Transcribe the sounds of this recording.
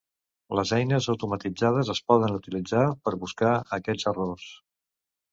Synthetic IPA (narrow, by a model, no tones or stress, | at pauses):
ləzɛjnəzəwt̪umət̪id͡zað̞əzəspɔðənut̪ilid͡zapəɾβuskaəkɛd͡zəros